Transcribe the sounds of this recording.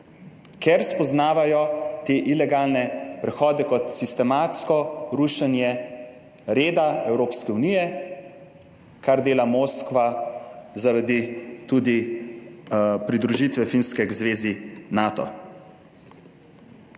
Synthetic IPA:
kɛɾspɔznaːʋajɔt̪eːʔilɛɡaːlnɛpɾɛxɔːd̪ɛkɔt̪sist̪ɛmaːt̪skɔɾuʃanjɛ | ɾeːd̪aɛwɾoːpskɛunijɛ | kaɾd̪eːlamoːskʋa | zaɾad̪it̪ud̪i | pɾid̪ɾuʒit̪ʋɛfinskɛɡzʋeːzinaːt̪ɔ̰

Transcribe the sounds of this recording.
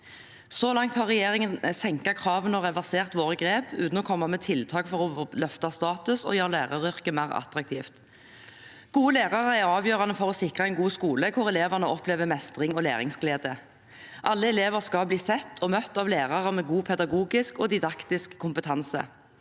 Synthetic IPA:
sɔlɑŋt̪hɑʁɛjeːʁɪŋənsɛŋkɑkʰʁɑːʋənɔʁɛʋæʁseːʁt̪ʋoːʁəɡʁeːpʉ̰ːt̪n̩ɔkʰɔmːɑmɛt̪ʰɪlt̪ʰɑːkfɔʁɔlœft̪ɑst̪ɑːt̪ʉsɔ̰jøːʁəlæːʁɑʁʏʁkəmæɪʁɑ̰t̪ʁɑk̚t̪ʰiːft̪ | ɡ̥uːəleːʁɑʁəæʁɑːʋjøːʁɑnəfɔʁɔsɪkʁɑɛɪnɡuːskuːləkʰʊʁɛleːʋæʁnəʔɔpleːʋəmɛst̪ʁɪŋɔlæ̰ːʁɪ̰ŋsɡleːd̪ə | ʔɑlːəɛleːʋəʁskɑlbliːsɛt̪ːʰɔmœt̪ːɑːʋleːʁɑʁəmɛːɡuːpʰɛd̪ɑɡuːɡɪskɔd̪ɪd̪ɑkt̪ɪskʰːʊmpət̪ʰɑnsə̰

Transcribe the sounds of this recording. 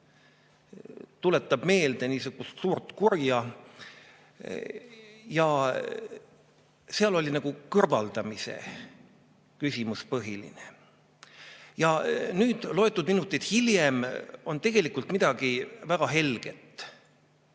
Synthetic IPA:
t̪ule̞t̪ːˑɑb̥me̞ːld̪̥eniːsuɡ̥ust̪suːrt̪kurjɑ | jɑ | seɑlo̞lʲinɑɡ̥ukɤrvɑld̪̥ɑmise̞̰ | kysʲimuspɤɦilḭne | jɑnyːd̪̥lo̞e̞t̪ːˑud̪minut̪ːˑid̪̥hiljemo̞nt̪e̞ɡ̥e̞likˑult̪mid̪ɑɡ̥ivæɡ̥ɑɦe̞lɡ̥et̪ːˑ

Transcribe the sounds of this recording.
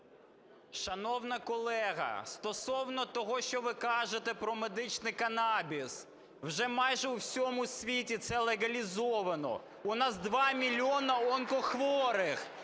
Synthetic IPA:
ʃɐnɔwnɐkɔlˠɛɦɐ̰st̪ɔsɔwnɔt̪ɔɦɔʃt͡ʃɔʋɪkɑʒet̪ɛpɾɔmed̪ɪt͡ʃnɪjkɐnɑbʲis | wʒɛmɑjʒɛusʲɔmʊsʲʋʲitʲit̪sɛlˠeɣɐlʲizɔʋɐnɔ̰ | ʊnɑzd̪ʋɑmʲilʲiɔnɐɔnkɔxʋɔɾɪx

